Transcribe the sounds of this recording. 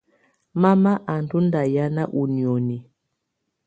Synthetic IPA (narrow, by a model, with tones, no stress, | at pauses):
ma˦ma˦ʔa˨n˨du˦nda˨ja˦na˦ʔu˨ni˨ɔ˨ni˨